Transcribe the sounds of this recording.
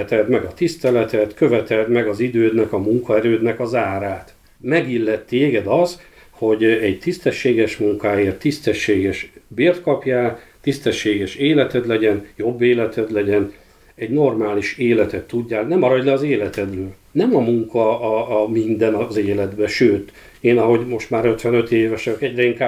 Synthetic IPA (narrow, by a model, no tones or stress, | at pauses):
ɛt̪ɛd̪mɛɡɒt̪ist̪ɛlɛt̪ɛt̪kø̞vɛt̪ɛld̪mɛɡɒzid̪øːd̪nɛkɒmuŋkɒɛɾøːd̪nɛkɒzaːɾaːt̪ | mɛɡilːɛt̪ːeːɡɛd̪ɒz | ho̞ɟɛɟt̪ist̪ɛʃːeːɡɛʃmuŋkaːeːrt̪ːist̪ɛʃːeːɡɛʃbeːrt̪kɒpjaːt̪ist̪ɛʃːeːɡɛʃeːlɛt̪ɛd̪lɛɟɛnjo̞bːeːlɛt̪ʰɛd̪lɛɟɛn | ɛɟno̞rmaːliʃeːlɛt̪ɛt̪ːuɟːaːlnɛmɒɾɒɟlɛɒzeːlɛt̪ɛd̪løː | nɛmɒmuŋkʰɒmind̪ɛnɒzeːlɛd̪bɛʃøːt̪ | eːnɒɦo̞ɟmo̞ʃt̪maːɾø̞t̪ʋɛnø̞t̪eːvɛʃɒkɛɟrɛiŋka